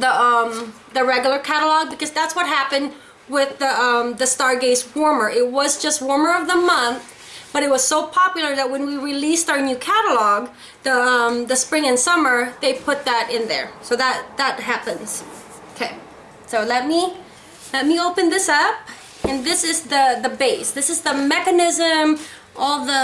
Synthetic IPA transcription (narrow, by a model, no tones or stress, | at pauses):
ðəʌ̃m | ðɨɹɛɡjl̩ˠə˞kʰæɾəl̩ɔɡ̚bɨkʰʌzðætswʌt̚ɦæpɨ̃nd | wɪðəʌ̃mðɨstɑɹɡeɪswɔɹmə˞ʔɪt̚wʌzd͡ʒʌst̚wɔɹmə˞ʌvðəmʌ̃nθ | b̥ʌɾɨt̚wʌz̥soʊpʰɑpjl̩ˠə˞ðɨt̚wɨ̃nwiɹilistə˞nʉkʰæɾəlɔɡ | ðəʌ̃mðɨspɹɪ̃ŋɨ̃nsʌmə˞ðeɪpʰʊt̪̚ðəɾɪ̃nðə̰˞soʊðət̪̚ðət̚ɦæpɨ̃nz̥ | okʰeɪ | soʊlɛt̚mi | lɛt̚mioʊpɨ̃nðɪsʌp̚ | ɨ̃nðɪsɨzðɨðɨbeɪsðɪsɨzðəmɛkɨnɪzɨ̃m | ʔɔlˠðə